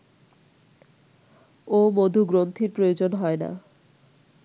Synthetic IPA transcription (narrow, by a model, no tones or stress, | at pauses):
omod̪ʱuɡɾont̪ʰiɾpɾojod͡ʑonɦɔena̰